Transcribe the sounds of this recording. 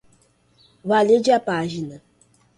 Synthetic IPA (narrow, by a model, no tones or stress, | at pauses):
βaled͡ʒapaʒina